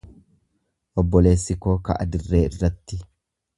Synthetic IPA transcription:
ʔɔbːɔle̞ːsːɪkoːkɐ̰ʔɐ̰d̪ɪrːe̞ːɪrːɐt̪ːɪ

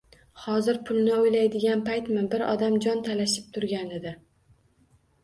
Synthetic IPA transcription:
hɒzɪɾpʰʊlˠnɪʊjlajd̪ɪɡʲanpajt̪mɪbɪɾɒ̰d̪amd͡ʒɒnt̪ʰalaʃɪp̚t̪ʰʊɾɡʲanɪd̪ɪ

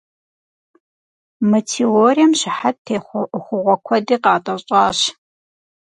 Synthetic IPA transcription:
mɐtʰeoːrijɐmɕɪħat̚tʰeːχʷχʷʊʁʷɔkʷʰɐdiːqɑːtʼɐɕʼɑːɕ

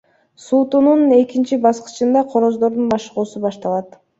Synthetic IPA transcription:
suːt̪unune̞kint͡ʃibɑsqɯ̥t͡ʃɯnd̪ɑqʰoɾo̞zd̪o̞ɾd̪unbɑʃʁuːsubɑʃt̪ɑlˠɑt̪

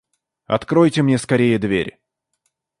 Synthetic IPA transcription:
ɐ̰t̪kɾojtʲɪmnʲeskɐɾʲejəd̪vʲḛɾʲ

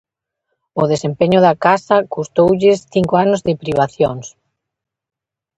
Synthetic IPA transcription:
ʊðesempeɲʊðɐkasɐkust̪owʎɪsθiŋkoanʊzðɪpɾiβ̞aθjoŋs

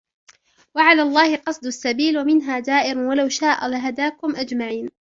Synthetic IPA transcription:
waʕalaːlˤːɑːhɪqɑsˤd̪ʊasːabiːlwamɪnɦaːd̪aːʔɪɾʊwalawʃaːʔa̰laɦad̪aːkʊmʔad͡ʒmaʕiːn

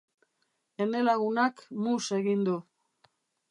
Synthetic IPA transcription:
enelaɣunakmuse̞ɣind̪u

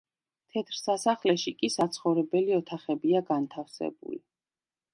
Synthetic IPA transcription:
t̪ʰɛt̪ʰɾsasaχlɛʃikʼisat̪sʰχɔvɾɛbɛliɔt̪ʰaχɛbiaɡant̪ʰafsɛ̰bṵli

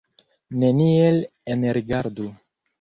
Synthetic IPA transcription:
ne̞nielenɾiɡaɾdu

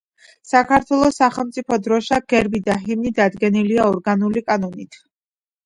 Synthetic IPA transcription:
sakʰaɾt̪ʰwɛlˠɔsaχɛlˠmt̪sʼipʰɔd̪ɾɔʃaɡ̥ɛɾbid̪aɦimnid̪ad̪ɡɛniliaɔɾɡanulikʼanɔnit̪ʰ

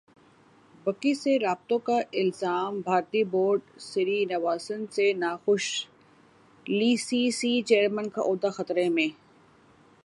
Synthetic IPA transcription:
bɐkiseɾaːb̚t̪õkaʔɪlzaːmbʱaːɾt̪iboːɾɖsɪɾinɐʋaːsənsenaːxʊʃ | liːsisiːt͡ʃeːəɾmənkaʔoːd̪axɐt̪ɾemẽː

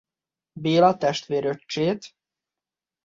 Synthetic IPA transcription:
beːlɒt̪ɛʃt̪ʋeːɾøt͡ʃːeːt̪

